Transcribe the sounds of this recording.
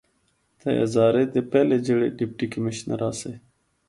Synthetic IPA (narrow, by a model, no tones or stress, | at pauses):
t̪ɐja̰zɑːɾed̪epɛled͡ʑəɽḛɖip̚ʈikəmiɕnɐ̰ɾɑːse